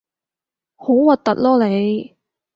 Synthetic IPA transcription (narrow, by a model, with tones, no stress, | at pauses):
ho˨˥wwɐ˨t̚t̪ɐ˨t̚lɔː˥le˨˧j